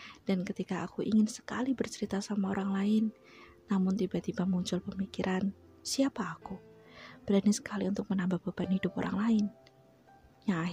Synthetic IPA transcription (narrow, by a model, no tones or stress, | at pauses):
d̥ankət̪ikaːkuʔiŋɪnsə̥kalibərt͡ʃəɾit̪asamaoɾaŋlaɪnː | amʊnt̪ibat̪ibamuɲt͡ʃʊlpəmikiɾʔan | siapaːkub̥ɾanisə̥kaliunt̪ʊk̚mənambahb̥abanhidʊpo̰ɾʔa̰ŋlaɪn | ja